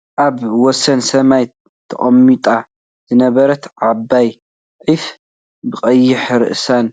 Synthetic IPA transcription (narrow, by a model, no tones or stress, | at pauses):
ʔaβwɔsɐnsɐmaj | t̪ʰɐ̰χʼɐmːit̪ʼa | z̥ɨnɐβɐɾɐt̪ʕabːaj | ʕif | bɨχʼɐjːɪħɾɨ̰ʔsan